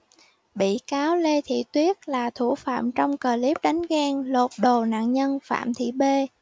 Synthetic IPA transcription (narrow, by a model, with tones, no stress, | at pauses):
ɓḭ˧˨kaː˨˦wle˧t̪ʰḭ˧˨t̪wi˦˥ət̚laː˨˩t̪ʰu˧˩fa̰ː˧˨mt͡ɕɔ˧wŋ͡mkəː˨˩li˦˥p̚ɗa˨˦jŋ̟ɣɛː˧ŋlo˨˩t̚ɗo˨˩na̰ː˧˨nɲə˧nfa̰ː˧˨mt̪ʰḭ˧˨ɓe˧